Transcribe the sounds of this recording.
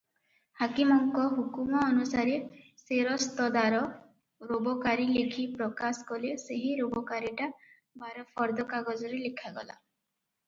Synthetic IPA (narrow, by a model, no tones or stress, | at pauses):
hakimɔŋkɔɦukumɔːnusaɾeseɾɔst̪ɔd̪aɾɔ | ɾobɔkaɾilekʰipɾɔkasɔ̥kɔleseɦiɾobɔkaɾiʈa | baɾɔpʰɔɾd̪ɔkaɡɔd͡ʒɔɾelekʰaɡɔ̰la̰